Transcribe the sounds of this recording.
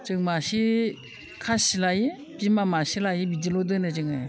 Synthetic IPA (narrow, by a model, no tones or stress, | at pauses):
t͡ʃɯŋmasi | kʰasilaji | bimamasilajibid͡ʒilodɯnɯd͡ʒɯŋa